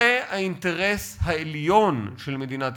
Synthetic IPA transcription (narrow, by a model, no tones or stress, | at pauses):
ehaint̪eʁeshaeljo̞nʃelmed̪inat̪